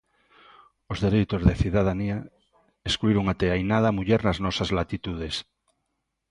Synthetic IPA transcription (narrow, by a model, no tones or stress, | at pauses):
ozðeɾejt̪ozðeθiðað̞ania | eskluiɾoŋat̪eajnað̞amuʎɛɾnaznɔsazlat̪it̪uð̞es